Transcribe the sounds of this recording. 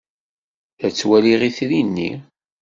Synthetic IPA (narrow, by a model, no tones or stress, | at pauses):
θæt͡sːwæliʁiθɾinːḭ